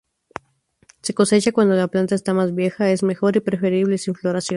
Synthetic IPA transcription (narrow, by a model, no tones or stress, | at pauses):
se̞ko̞se̞t͡ʃakwand̪o̞laplant̪aest̪amazβje̞xae̞zme̞xo̞ɾipɾe̞fe̞ɾiβle̞siɱflo̞ɾasjon